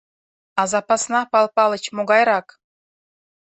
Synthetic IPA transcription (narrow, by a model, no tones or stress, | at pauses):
ɑzɑpɑsnɑpɑlˠpɑlə̆t͡ɕmoɡɑjɾɑk